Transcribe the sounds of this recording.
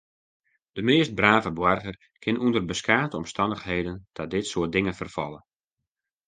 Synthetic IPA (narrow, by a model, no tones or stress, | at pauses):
d̥əmeːst̚braːvəbwɔrɣər | kʰɪnʔundərbəskaːtəɔmstɑndəxɦeːdənd̥ɔt̚dɪtsʊət̚dɪŋənfərfɔ̰lˠə